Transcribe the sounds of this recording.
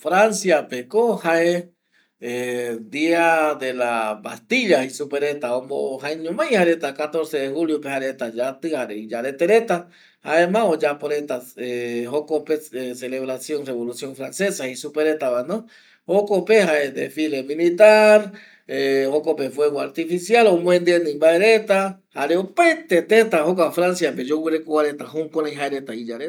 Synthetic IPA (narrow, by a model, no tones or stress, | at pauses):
fɾansjapekohae | ed̪iad̪elaba̰st̪iʎahisupeɾet̪aomo̰haeɲomajhaɾet̪akat̪oɾseðehuljopehaɾet̪ad͡ʒat̪ɨhaɾeid͡ʒaɾet̪eɾet̪a | haemãod͡ʒapoɾet̪aehokopeseleβɾasjonreβolusjoŋfɾansesahisupeɾet̪aβanõ | hokopeɦaed̪ḛfilemilit̪aɾ | ehokopefweβoaɾt̪ifisjalomw̃ẽnd̪ienẽmbaeɾet̪ahaɾeopaet̪et̪et̪aɦokafɾansjaped͡ʒowɨɾekowaɾet̪aɦuŋkonãjɦaeɾet̪aid͡ʒaɾe